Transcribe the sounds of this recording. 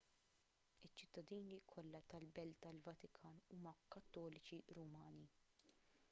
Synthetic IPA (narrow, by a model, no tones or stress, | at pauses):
ɪt͡ʃːɪt̪ːɐd̪iːnikʰɔlːɐt̪ɐlbɛlt̪ɐlvɐt̪ɪkʰɐːnuːmɐkɐt̪ːɔːlɪt͡ʃiɾɔmɐːni